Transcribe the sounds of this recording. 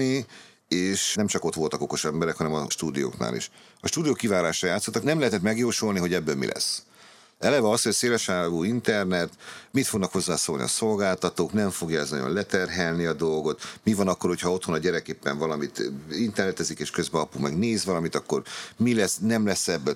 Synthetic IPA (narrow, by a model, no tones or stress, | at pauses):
i | eːʃnɛmt͡ʃɒko̞t̪ʋo̞lt̪ɒko̞ko̞ʃɛmbɛɾɛkhɒnɛmɒʃt̪uːd̪ijo̰ːkna̰ːlḭʃ | ɒʃt̪uːd̪ijoːkːivaːɾaːʃɒjaːt̪sːot̪ːɒknɛmlɛɦɛt̪ɛt̪mɛɡjoːʃolniɦo̞ɟɛbːøːlmḭlʔɛ̰sː | ɛlɛvɛɒshoseːlɛʃaːluːint̪ɛrnɛt̪mit̪fo̞ɡnɒkho̞zːaːsoːlnḭɒ̰so̞lɡaːlt̪ɒt̪oːknɛɱfo̞ɡjɒɛznɒ̰ɟo̰lɛt̪ɛrɦɛlniɒd̪o̞lɡo̞t̪mivɒnɒkːo̞rho̞chɒo̞t̪ho̞nɒɟɛɾɛkeːpːɛɱvɒlɒmit̪int̪ɛrnɛt̪ɛzikeːʃkø̞zbɛɒpumɛɡneːzʋɒlɒmit̪ɒkːo̞rmilɛsnɛmlɛsːɛbːø